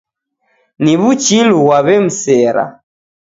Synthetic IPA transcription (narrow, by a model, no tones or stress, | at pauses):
niβut͡ʃiluwaβɛm̩sɛːɾa̰